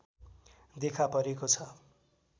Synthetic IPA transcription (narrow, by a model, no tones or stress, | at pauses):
d̪ekʰapʌɾekot͡sʰʌ